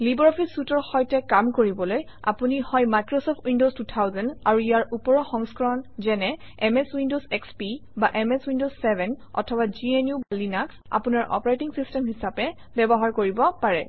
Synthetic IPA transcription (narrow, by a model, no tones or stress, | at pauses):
libɹɔpʰisutɔɹxɔjtɛkamkoɹibɔloj | a̰punihɔjmajkɹɔsɔpʰtwindostutʰawzɛnaɹuijaɹupɔɹɔxɔŋskɔɹɔnzɛnɛ | ɛmeswindozɛkspibaʔɛmeswindozsɛbʱɛnɔ̰tʰɔbad͡ʒienjubalinaksa̰punaɹʔɔ̰pɔɹajtiŋsistɛmɦisapɛ | bɛbɔɦaɹkoɹibɔpaɹɛ